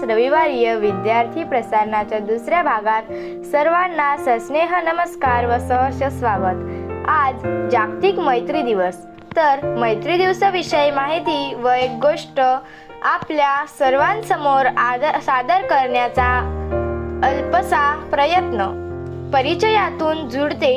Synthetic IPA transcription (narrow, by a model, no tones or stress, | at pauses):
sɾəʋiʋaɾijəʋid̪jaɾt̪ʰiːpɾəsaɾɳat͡ɕjad̪usɾjabʱaɡat̪ | səɾʋanːasəsneɦənəməskaɾʋəsəɦəɕəsʋaʋət̪ad͡zd͡ʑak̚t̪iːkməjt̪ɾid̪iʋəs | t̪əɾməjt̪ɾid̪iʋsəʋiɕəjmaɦit̪iːʋəjɡoʂʈə | apljasəɾʋãnsəmoɾsad̪əɾkəɾɳjat͡sa | lpəsapɾəjət̪nə | pəɾit͡ɕəjat̪uːnd͡zuɽt̪e